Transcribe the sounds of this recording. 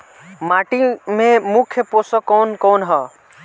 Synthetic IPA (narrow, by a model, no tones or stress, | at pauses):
maʈimemukʰjəposɔkonkonɦʌ